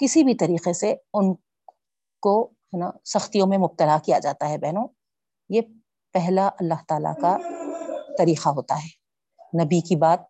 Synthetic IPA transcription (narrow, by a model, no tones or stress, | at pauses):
kɪsibʱit̪ɐɾiːqeseʊn | ko | hɛnasɐxt̪ijõmẽmʊb̚t̪əlakijad͡ʒaːt̪aɦɛbɛɦnõ | je | pɛɦlaʔɐlːaɦt̪aːla̰ka | t̪ɐɾiːqaɦoːt̪aɦɛː | nɐbikibaːt̪̚